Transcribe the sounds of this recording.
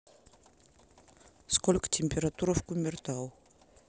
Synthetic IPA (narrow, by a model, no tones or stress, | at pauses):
skolʲkt̪ʰʲemʲpʲeɾat̪uɾəfkumʲert̪aw